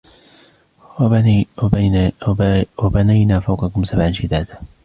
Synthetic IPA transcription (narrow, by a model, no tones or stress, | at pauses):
wabanajnaːfawqɑkʊmsabʕanʃɪd̪aːd̪a